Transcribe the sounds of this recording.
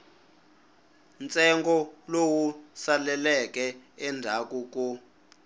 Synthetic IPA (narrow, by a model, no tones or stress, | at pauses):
nt͡sʼɛŋɡɔlowusalɛlɛk̬ʼɛɛndʱak̬ʼuk̬u